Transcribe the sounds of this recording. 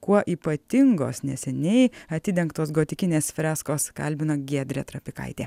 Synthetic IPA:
kuɔʔiːpɐt̪ʲɪŋɡo̰ːsnʲɛsʲɛnʲɛɪɐt̪ʲɪd̪ʲɛŋkt̪oːsɡoːt̪ʲɪkʲɪnʲeːsfʲɾʲæːskoːskɐ̰lʲbʲɪnoɡʲiɛd̪ʲɾʲet̪ɾɐpʲɪkɐ̰ɪt̪ʲeː

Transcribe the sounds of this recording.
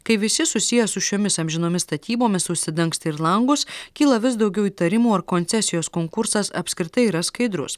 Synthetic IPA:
kɐɪʋʲɪsʲɪsʊsʲɪjɛsʊʃʲoːmʲɪsɐmʲʒʲɪnoːmʲɪsst̪ɐt̪ʲiːboːmʲɪsʊʃʲsʲɪd̪ɐŋkst̪ʲɪɾlˠɐŋɡʊskʲiːlˠɐʋʲɪs̬d̪ɒʊɡʲɛʊiːt̪ɐɾʲɪmuːɐɾkoːnʲtsʲɛsʲɪjoːskoːŋkʊɾsɐsɐ̰pʲsʲkɾʲɪt̪ɐɪiːɾɐskɐɪd̪ɾʊ̰s

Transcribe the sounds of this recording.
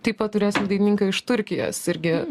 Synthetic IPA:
t̪ɐɪppɐtt̪ːʊɾʲeːsʲɪmd̪ɐɪnʲɪnɪŋkɐɪʃt̪ʊɾʲkʲɪjo̰ːsɪɾʲɡʲɪ

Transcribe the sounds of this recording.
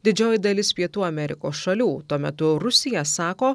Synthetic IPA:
d̪ʲɪd͡ʒʲoːjɪd̪ɐlʲɪspʲiɛt̪uːɐmʲɛɾʲɪ̰koːsʃɐlʲuːt̪uɔmʲɛ̰t̪ʊɾʊsʲɪjɛsɑːkoː

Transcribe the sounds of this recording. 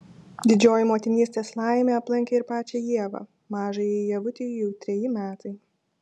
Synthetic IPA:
d̪ʲɪd͡ʒʲoːjɪmoːt̪ʲɪnʲiːsʲt̪ʲeːslˠɑˑɪmʲeːɐplˠɐŋʲkʲeːɪɾpɑːt͡ʃʲɛjiɛʋɐ̰ː | mɑːʒɐjɛjɛʋʊt̪ʲejjɛʊt̪ʲɾʲɛjɪmʲæːt̪ɐɪ

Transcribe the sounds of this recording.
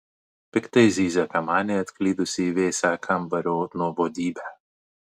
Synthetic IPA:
pʲɪkt̪ɐɪzʲiːzʲɐkɐmaːnʲeɐt̪ʲklʲiːd̪ʊsʲiːʋʲeːsʲaːkʰambɐɾʲoːnuːbɔd̪ʲiːbʲæ

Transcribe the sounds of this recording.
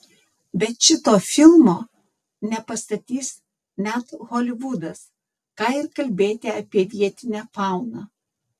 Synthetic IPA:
bʲɛt̪ʃʲɪt̪oːfʲɪlˠmoː | nʲɛpɐst̪ɐt̪ʲiːs | nʲæt̪ɣoːlʲɪʋʊd̪ɐs | kɑːɪɾkɐlʲbʲeːt̪ʲeɐpʲiɛʋʲiɛt̪ʲɪnʲɛfɑˑʊnɑː

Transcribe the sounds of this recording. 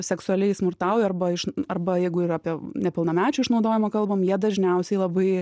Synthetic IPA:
sʲɛksʊɐlʲɛɪsmʊrt̪ɑʊjɛɐrbɐɪʃɐrbɐjɛɪɡʊiːrɐpʲiɛnʲɛpʲɪlˠnɐmʲæːt͡ʃʲʊɪʃnɒʊd̪oːjɪmɐkɐlˠbɐmjiɛd̪ɐʒʲnʲɛʊsʲɛɪlˠɐbɐɪ

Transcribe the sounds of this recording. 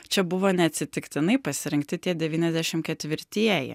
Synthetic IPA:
t͡ʃʲɛbʊʋoːnʲɛɐt̪ʲsʲɪt̪ʲɪkt̪ʲɪnɐɪpɐsʲɪɾʲɪŋkt̪ʲɪt̪ʲiɛd̪ʲɛʋʲiːnʲɛzʲd̪ʲæʃʲɪmkʲɛt̪ʲʋʲɪɾʲt̪ʲiɛjɛ̰

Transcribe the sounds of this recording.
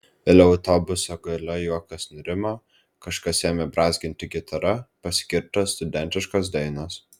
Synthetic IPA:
eːlʲɛɐʊt̪ɔbʊsoːɡɐlʲɐjuɔkɐsnʊɾʲɪmo | kɐʃkɐseːmʲɛbɾɑːzʲɡʲɪnʲt̪ʲɪɡʲɪt̪ʰɐɾɐpɐsʲkʲɪɾt̪ɐst̪ʊd̪ʲɛnʲt̪ʲɪʃkoːs̬d̪ɐɪnoːs

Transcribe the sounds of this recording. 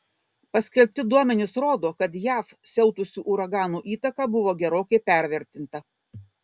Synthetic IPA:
pɐsʲkʲɛlʲpʲt̪ʲɪd̪uɔmʲɛnʲɪsɾoːd̪oːkɐt̪jæːf | sʲɛʊt̪ʊsʲuːʔʊɾɐɡɑːnuːʔiːt̪ɐkɑbʊʋoːɡʲɛɾoːkʲɛɪpʲæˑɾʲʋʲɛɾʲt̪ʲɪnt̪ɐ

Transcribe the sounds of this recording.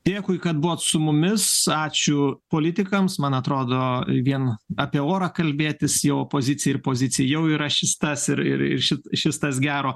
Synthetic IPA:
d̪̥ʲeːkʊɪkɐt̪̚bʊʋoːt̪sʊmʊmʲɪsɑːt͡ʃʲʊpoːlʲɪt̪ʲɪkɐmsmɐnɐt̪ɾoːd̪oːʋʲiɛnɑːpʲiɛoːɾɐːkɐlʲbʲeːt̪ʲɪsjɛʊopoːzʲɪt͡sʲɪjɛɪrpoːzʲɪt͡s̪ʲɪjɛjɛʊiːɾɐʃʲɪst̪ɐsɪɾɪ̰ɾɪ̰rʃʲɪtʃʲɪst̪ɐsɡʲæːɾoː

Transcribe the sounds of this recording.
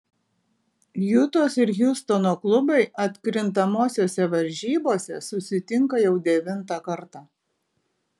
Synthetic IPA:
jʊt̪oːsɪɾjʊst̪onoːklˠʊbɐɪɐt̪ʲkɾʲɪnt̪ɐmoːsʲoːsʲɛʋɐɾʲʒʲiːboːsʲɛ̰sʊsʲɪt̪ʲɪŋkɐjɛʊd̪ʲɛʋʲɪnt̪ɑkɐɾt̪ɑː

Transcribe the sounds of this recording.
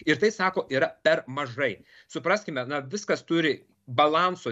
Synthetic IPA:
ɪɾt̪ɐɪsɑːkoːʔiːɾɐpʲɛɾmɐʒɐɪ | sʊpɾɑːsʲkʲɪmʲɛnɐʋʲɪskɐst̪ʊɾʲɪ | bɐlˠɑnsoː

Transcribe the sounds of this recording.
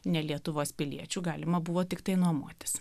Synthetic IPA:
nʲɛlʲiɛt̪ʊʋoːspʲɪlʲḭɛt͡ʃʲuːɡɑːlʲɪmɐbʊʋoːt̪ʲɪkt̪ɐɪnuɔmṵɔt̪ʲɪ̥s

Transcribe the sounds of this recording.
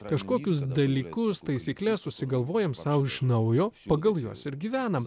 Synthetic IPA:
kɐʃkoːkʲʊs̬d̪ɐlʲiːkʊst̪ɐɪsʲiːklʲɛsʊʃʲsʲɪɡɐlˠʋoːjɛmsɐʊɪʃnɐʊjoːpɐɡɐlˠjuɔsɪɾɡʲiːʋʲæːnɐm

